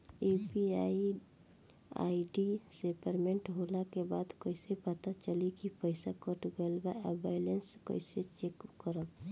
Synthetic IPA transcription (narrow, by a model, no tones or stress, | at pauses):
epiai | a̰iɖisepəɾmẽɳʈɦolakebaːd̪kəɪsepət̪at͡ʃəlikipəɪsakəʈɡəlbaabaɪlenskə̰ɪset͡ʃekːəɾəb